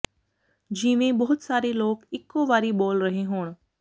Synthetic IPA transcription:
d͡ʒiːmẽbɐɦʊt̪saːɾeloːkɪkːoʋaːɾiboːlɾɐɦeɦoːɽ̃

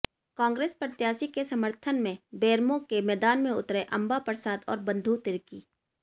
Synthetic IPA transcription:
kãːŋɡɾeːspəɾt̪jaːsikesɐməɾt̪ʰənmẽbeːɾmõkemɛːd̪aːnmẽʊ̰t̪ɾeʔɐ̃mbapəɾsaːd̪ɔ̰ːɾbə̃nd̪ʱut̪ɪɾkiː

